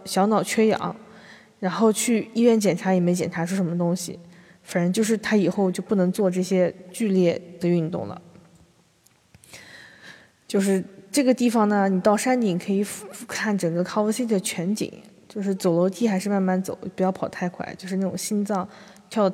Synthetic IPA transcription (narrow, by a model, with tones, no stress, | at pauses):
ɕjɑ˧˥ʊnɑ˨˩ʊt͡ɕʰɥɛ˥jɑ̰˨˩˥ŋ | ɻa˧˥nxo˥˧ʊt͡ɕʰy˥˩i˥˧ɥɛ˥˩nt͡ɕjɛ˨˩nʈ͡ʂʰa˧˥jɛ˨˩m˧˥ɪt͡ɕjɛ˨˩nʈ͡ʂʰa˧˥ʂ̩ʰ˥˩ʂə˧˥mə˧t̪ʊ˥ŋɕḭ˨˩ | fa˨˩nə˧˥t͡ɕjo˥˧ʊʂ̬ɻ̩˥˩t̪ʰa˥i˨˩xo˥˧ʊt͡ɕjo˥˧ʊpu˥˩nɤ˧˥ŋt͡swɔ˥˧ʈ͡ʂɤ˥˩ɕjɛ˥t͡ɕy˥˧ljɛ˥˩d̪̥ə˩y˥˧nt̪ʊ̰˥˩ŋlə̰˩ | t͡ɕjo˥˧ʊʂɻ̩˥˧ʈ͡ʂɤ˥˩ɡə˩t̪i˥˩fɑ˩ŋnə˩ni˨˩t̪ɑ˥˩ʊʂa˥nt̪i˨˩ŋkʰɤ˧˥i˨˩fkʰa˥˩nʈ͡ʂɤ˨˩ŋɡə˧kʰɑ˧˥ə˥si˥t̪ʰə˩t͡ɕʰɥɛ˧˥nt͡ɕḭ˨˩˦ŋ | t͡ɕjo˥˧ʊʂɻ̩˥˩t͡so˨˩ʊlo˧˥ʊt̪ʰi˥xa˧˥ɪʂɻ̩˥˧ma˥˧nma˥˩nt͡so̰˨˩˦ʊpu˧˩jɑ˥˩ʊpʰʊt̪ʰa˥˧ɪkʰwa̰˥˩ɪt͡ɕjo˥˧ʊʂɻ̩˥˧a˥˩ʈ͡ʂʊ̰˨˩ŋɕi˥nt͡sɑ˥˩ŋ | t̪ʰjɑ˥˩